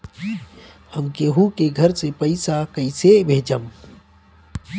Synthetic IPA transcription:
hɐmkeɦukeɡʱɐɾsepɐɪsakəɪsebʱeːd͡ʒəm

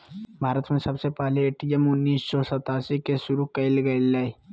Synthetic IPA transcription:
bʱaːɾət̪mẽsɐbsepɛɦleeːʈiemʊnːiːsːɔsɐt̪aːsikeʃʊɾukɐɪlɡɐɪlae

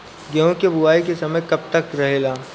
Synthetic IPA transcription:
ɡeɦõkebʊaːik̬esɐməjkɐb̚t̪ɐkɾɐɦeːlaː

